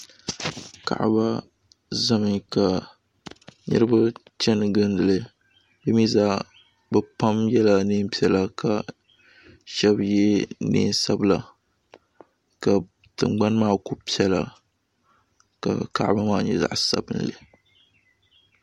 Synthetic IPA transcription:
ka̰˨ʔba˦ | zɨ˦mɨ˨ka˨ | nɨ̰˦ɾɨ˦ba˦t͡ʃɛ˦nɨ˨ɡɨ˦ndɨ˨lɨ˨ | dɨ˦mi˦za˦ʔ | bɛ˨pa˦mjɛ˦la˨nɨː˦m˦pi˦ɛ˨la˨kʰa˨ | ʃɛ˦bjɛ˦nḭː˦nsa˦bla˨ | ka˨ | tɨ̰˨mɡ͡ba˦nmaː˦˨ku˦pi˦ɛ˦la̰˨ | ka̰˨ka̰˦˨ʔba˦maː˦˨ɲɛ̰˨za̰˨ʔsa̰˦˨bɨ˨nlɨ̰˨

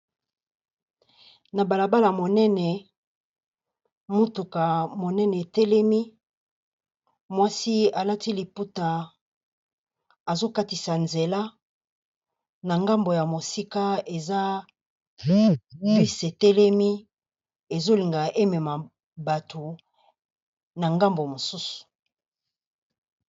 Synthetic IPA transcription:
na˨ba˨la˨ba˦la˨mo˨nɛ˦nɛ˨ | mo˦tu˨ka˨mo˨nɛ˦nɛ˨e˨tɛ˦lɛ˦mi˦ | mwa˦si˦a˨la˦ti˦li˨pu˦ta˨ | a˨zo˦ka˦ti˨sa˨nze˨la˦ | na˨ŋɡa˦mbo˨ja˨mo˨si˦ka˦e˨za˦ | pi˦se˨tɛ˦lɛ˦mi˦ | e˨zo˦li˨ŋɡa˨ʔe˦mɛ˨ma˨ | ba˨tʰo˨ | na˨ŋɡa˦mbo˨mo˨su˦su̥˨

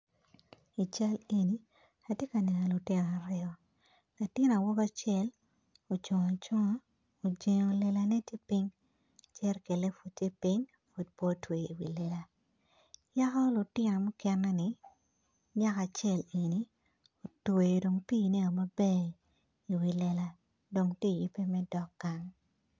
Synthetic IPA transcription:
i˨t͡ʃa˦le˨ni˦ | a˨tje˦ka˨nɛ˨nɔ˨lʊ˨tɪ˦nɔ˨a˨ɾɪ˦ɔ˦ | la˨tɪ˦n˨a˨wɔ˦ɡa˦t͡ʃɛ˦l | o˨t͡ʃɔ˨ŋa˨t͡ʃɔ˦ŋɔ˦ | o˨d͡ʒe˨ŋo˨le˦la˦ne˦te˦pi˦ŋ | t͡ʃɛ˦rke˨le˦fu˨t͡ʃe˦pi˦ɲ | fo˨d̚po˦twe˨i˨wḭ˨lɛ˦la˦ | ja˦kɔ˦lʊ˨tɪ˦nɔ˨mʊ˦kɛ˦nːɛ˦nɪ˨ | ɲa˦ka˨t͡ʃɛ˦˨le˨ni˦ | o˨twe˨do˨ŋpi˦˨ne˦o˨ma˨bɛ˦ | i˨wi˨lɛ˦la˦ | do˨ŋti˦˨ji˦pːe˦mɛ˦dɔ˦kːa˨ŋ

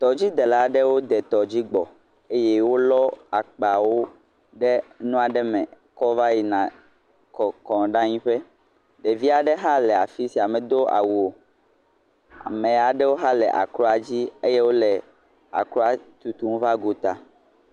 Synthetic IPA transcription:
t̪ɔ˨d͡ʑi˦d̪ɛ˨la˨ɖɛ˦wo˦d̪ɛ˨t̪ɔ˨d͡ʑi˦ɡ͡bɔ˨ | e˦jɛ˦wo˦lɔ˦a˨k͡pa˨wo˦ | ɖɛ˦nũ˦a˨ɖɛ˦mɛ̃˨ | kɔ˦va˦ji˨nã˨ | kɔ˨kɔ̃˨ɖã˦ɲĩ˦ɸɛ˦ | ɖe˨vi˦a˨ɖɛ˦ɦa˦lɛ˨a˨fi˦si˨a˨mɛ̃˨d̪o˦ʔa̰˨wu˨o˨ | a̰˨mẽ˨a˨ɖɛ˦wo˦ɦa˦lɛ̰˨ʔa̰˨kɾɔ˦a˨d͡ʑi˦e˦je˦wo˦lɛ˨ | a̰˨kɾɔ˦a˨t̪u˨t̪u˦ŋ˦va˦ɡo˨t̪a˨

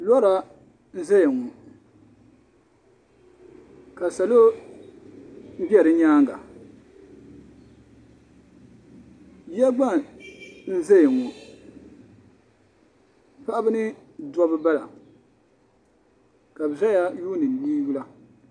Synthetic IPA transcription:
lɔ˦ɾa˨ | n̩˦za˦ja˨ŋu˨ | ka˨sa˨lo˦ | m̩˦bɛ˨ɾɨ˦ɲaː˦ŋɡa̰˨ | bɛ˦ɡ͡ba˦ | n̩˦za˦ja˨ŋu˨ | pa˦ʔa˦bɨ˦nɨ˦ | dɔ˦bɨ˦ba˦la̰˨ | ka˨bza˦ja˦juː˦nɨ˨m˨biː˦ɡu˦la˦

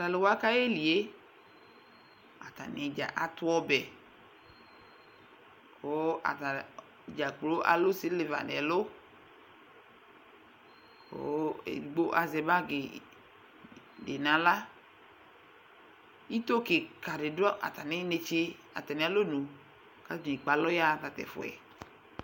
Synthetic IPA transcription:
ta˨le˨wa˦ka˦je˦li˨e˦ | a̰˨t̪a̰˨ne˨d͡ʒa̰˨ʔa˨t̪ʊ˦ɔ˦bɛ˨ | kʰo˨˦a̰˨ta˨ | d͡ʒa˨k͡plo˦ʔa̰˨lo˦si˦le˨va̰˨nɛ̰˨lo˦ | ko̰˦ḛ˨ɡ͡bo˦ʔa˨zɛ˨ba˦ɡe˨ | de˨nã˨la˦ | i˦t̪o˦ke˨ka˨de˨du˦a̰˨t̪a˨nɪ̃˦ne˧t͡ʃe˦ | a̰˨t̪a˨nĩ˨˦a˨lo˦nũ˨ | ka˦d͡ʒĩ˨i˨k͡pa˨lɔ˦ja˦˨t̪a˨t̪ɛ̰˨fɔ̰˨ɛ̰˨

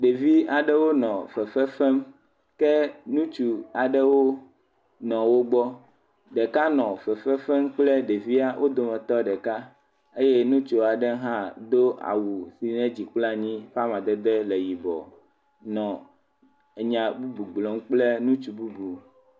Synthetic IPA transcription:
ɖe˨vi˦a˨ɖɛ˦wo˦nɔ̃˨fɛ˨fɛ˦fɛ˦m | kɛ˦nũ˦t͡ʃu˨a˨ɖɛ˦wo˦ | nɔ̃˨wo˦ɡ͡bɔ˦ | ɖɛ˨ka˦nɔ̃˨fɛ˨fɛ˦fɛ˦mk͡plɛ˦ɖe˨vi˦a˦wʔo˦d̪o˨mɛ̃˨t̪ɔ˦ɖɛ˨ka˦ | e˦je˦nũ˦t͡ʃo˨a˨ɖɛ˦ɦã˦d̪o˦a̰˨wu˨si˨nɛ̃˦d͡ʑi˨k͡pla˦ɲĩ˦ɸa˦mã˨d̪ɛ˦d̪ɛ˦lɛ˨ji˨bɔ̰˨ | nɔ̃˨ | e˨ɲã˨bu˦bu˨ɡ͡blɔ˨m˦k͡plɛ˦nũ˦t͡ʃu˨bu˦bu˨

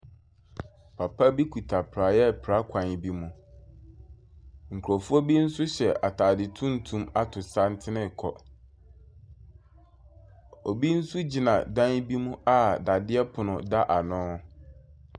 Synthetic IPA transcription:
pʰa˨pʰa˦bi˦kʰu˨tʰa˨pʰɾa˨jɛ˦˨pʰɾa˦kʰʷã˨n˨bi˦mũ˦ | ŋ̩˨kʰu˨ɾɔ˨fu˦ɔ˦bi˦n̩˦sʊ˦ɕɛ˨ʔa˨tʰaː˨dɪ˨tʰũ˦n̩˨tʰũ˦ma˦tʰʊ˨sa˦n̩˦tʰɪ˦nɪ̃˦˨kʰɔ˨ | o˨bi˦n̩˦sʊ˦d͡ʑi˨nã̰˨dã˦n˦bi˦mũ˦a˨da˨dɪ˦ɛ˦pʰʊ˨nʊ̃˨da˦ʔa˨nʊ̃ː˦

